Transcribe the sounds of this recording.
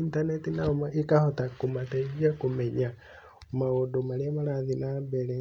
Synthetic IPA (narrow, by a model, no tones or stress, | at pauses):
intanetinamaikahotakumateɣiakumeɲa | mawodomalamalaðinabele